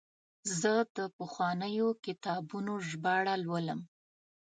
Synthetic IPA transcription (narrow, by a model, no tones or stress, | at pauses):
zəd̪̥əpəxwɑnəjokɪt̪ɑbunoʒbɑɽalwələm